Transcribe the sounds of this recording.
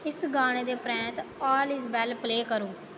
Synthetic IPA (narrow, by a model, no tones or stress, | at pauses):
ɪsɡaːɽ̃eːd̪eːpɾɛ̃ːt̪ɔːlɪsbɛːlpleːkəɾõː